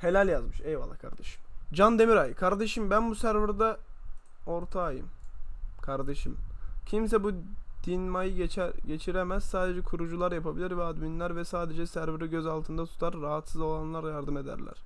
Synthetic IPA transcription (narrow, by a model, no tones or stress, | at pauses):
he̞lʲælʲjazmɯʃejvalˠːakʰa̰ɾd̪eʃɯ̥md͡ʒand̪e̞miɾajkʰaɾd̪eʃɯmbænbusæɾvɯɾd̪a | o̞ɾt̪ʰaːjɯ̰mkʰaɾd̪e̞ʃɯmcʰimsɛbud̪̥inmajɯt͡ʃɟe̞t͡ʃʰiɾemæz̥saːd̪e̞d͡ʒɛkʰuɾud͡ʒulˠaɾjapʰabilʲiɾvɛad̪minlʲæɾvɛsaːd̪e̞d͡ʒɛsæɾvɯɾiɟøzalˠt̪ʰɯnd̪at̪ʰu̥t̪ʰaɾːaɦat̪sɯzo̞lˠanlˠaɾjaɾd̪ɯme̞d̪æ̰ɾlʲæ̰ɾ̥